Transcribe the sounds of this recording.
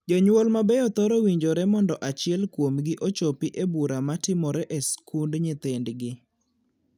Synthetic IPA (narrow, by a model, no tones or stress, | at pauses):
d͡ʒɔɲwolmabɛɔt̪ɔɾowiɲd͡ʒoɾɛmɔndɔʔat͡ʃɪɛlkwomɡɪʔot͡ʃopiʔebuɾamatɪmɔɾɛʔɛskundɲɪt̪endɡɪ